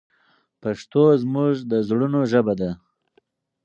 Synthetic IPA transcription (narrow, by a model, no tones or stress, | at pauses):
paʂt̪ozmuʒd̪əzɽunoʒəbad̪a